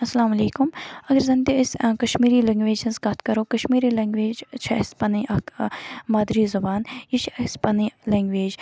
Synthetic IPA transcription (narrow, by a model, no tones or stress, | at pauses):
ɐsɐlaːmɐleːkʊmɐɡɐɾzɐnt̪eɪskɐʃmiːɾiːlɐ̃ŋɡʋeːd͡ʒɐnsɡɐt̪ʰkɐɾoːkɐʃmiːɾiːlɐ̃ːŋɡʋeːd͡ʒt͡ʃʰɐɐspɐniʔɐkmaːd̪ɾiːzɐbaːnjit͡ʃʰɐspɐnilɐŋɡʋeːd͡ʒ